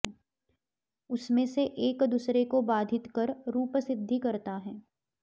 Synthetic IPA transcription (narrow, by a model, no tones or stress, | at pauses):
ʊsmẽseʔeːkd̪uːsɾekobaːd̪ʱɪt̪kɐɾɾuːpəsɪd̪ʱːikɐɾt̪aɦɛː